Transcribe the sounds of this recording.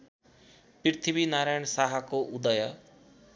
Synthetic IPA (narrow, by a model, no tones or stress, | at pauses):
pɪɾt̪ʰibinaːɾajɳ̃saːɦakoʔud̪ajə